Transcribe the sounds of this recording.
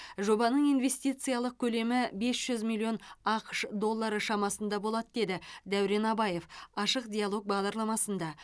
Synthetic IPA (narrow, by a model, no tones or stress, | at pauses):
ʒo̞bɑnəɴijnve̞st̪ijt̪sɨjalˠəq̚kʲʰɵle̞mɪbe̞sʒ̥ʏzmilʲˠːio̞nɑqəʃd̪o̞lˠːɑɾəʃɑmɑsənd̪ɑbo̞lˠɑt̪əd̪e̞d̪ɪd̪æwɾe̞nɑbɑje̞fɑʃəqd̪ʲijalˠo̞k̚bɑʁd̪ɑɾlˠɑmɑsənd̪ɑ